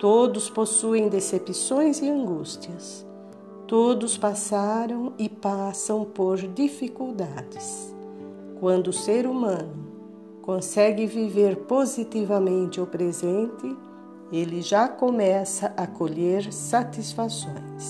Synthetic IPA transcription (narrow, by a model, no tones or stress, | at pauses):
t̪od̪ʊsposuẽj̃d̪esepisõj̃zɪɐ̃ŋɡust̪iɐs | t̪od̪ʊspasaɾɐ̃w̃ɪpasɐ̃w̃poɾd̪ifikuwd̪ad̪ɪs | kwɐ̃nd̪ʊːseɾumɐ̃nʊ | kõsɛɡɪviveɾpozit̪ivɐmẽnt̪ɪʊpɾezẽnt̪ɪ | elɪʒakomɛsɐʔɐkoʎeɾsat̪isfasõ̰j̃s